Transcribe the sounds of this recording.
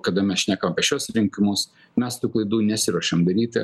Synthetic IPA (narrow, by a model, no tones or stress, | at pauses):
kɐd̪ɐmʲɛsʃʲnʲæːkɐmɐpʲiʃʲuɔsɾʲɪŋʲkʲɪmʊs | mʲɛst̪uːklˠɐɪd̪uːnʲɛsʲɪɾuɔʃʲɛmɡɐɾʲiːt̪ɐ